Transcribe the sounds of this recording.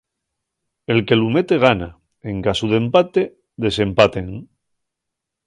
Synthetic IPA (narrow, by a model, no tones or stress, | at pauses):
e̞lke̞lume̞t̪e̞ɣ̞ana | eŋkasuð̞e̞mpat̪e | ðe̞se̞mpat̪e̞ŋ